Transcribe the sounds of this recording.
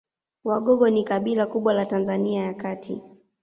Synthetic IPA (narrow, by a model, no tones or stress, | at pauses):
waɠɔɠɔnikaɓilakuɓwalatanzaniajakatʰḭ